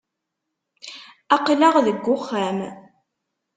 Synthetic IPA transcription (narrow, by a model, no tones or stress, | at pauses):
ɑqlaʁðəɡʷːʊχːæm